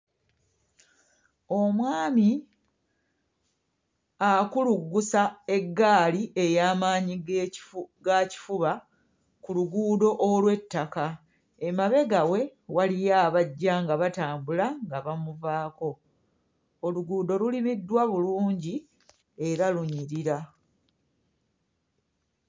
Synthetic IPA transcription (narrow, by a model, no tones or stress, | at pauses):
o̞mwaːmi | akuluɡːusae̞ɡːaːliʔe̞jaːmaːɲi | ɡaci̥fuβa | kuluɡuːdo̞ʔolwe̞tːaka | e̞maβe̞ɡawe̞walijaːβaɟːaŋɡaβataːmbulaŋɡaβamuvaːko̞ | oluɡuːdo̞lulimidːwaβuluːɲɟi | e̞ɾaluɲiɾiɾa